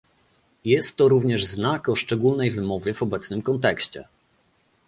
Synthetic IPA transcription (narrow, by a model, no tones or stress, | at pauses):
jɛst̪ːɔɾuvɲɛʐznakɔʂt͡ʂɛɡulnɛjvɘmɔvʲjɛvɔbɛt̪snɘmkɔnt̪ɛkɕt͡ɕɛ̰